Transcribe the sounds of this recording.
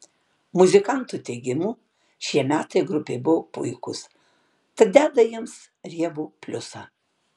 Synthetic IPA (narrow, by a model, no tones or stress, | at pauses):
mʊzʲɪkɑnt̪uːt̪ʲɛɪɡʲɪmuː | ʃʲiɛmʲæːt̪ɐɪɡɾʊpʲḛbʊʋopʊ̰ɪkʊ̰s | t̪ɐt̪̚d̪ʲæːd̪ɐjiɛms | ɾʲiɛʋuːpʲlʲʊsɑ̰ː